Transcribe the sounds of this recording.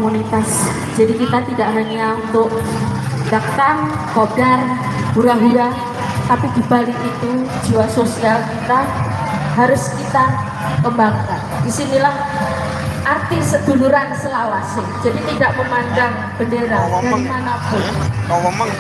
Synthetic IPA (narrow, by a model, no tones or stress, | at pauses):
munit̪as | d͡ʒ̥adikit̪at̪idaʔnaŋiaunt̪ʊʔ | d̥akt̪aŋ | kodarbuɾaɦuɾa | t̪apid̥ib̥alɪkit̪u̥d͡ʒiwasosiakit̪a | ɦaɾʊskit̪a | kəmbaŋkandisinilah | ʔart̪isəd̪̥ṳluɾansəlalasɪd͡ʒadit̪idaʔməmandaŋ | b̥əndeɾad̥aɾimanabɔ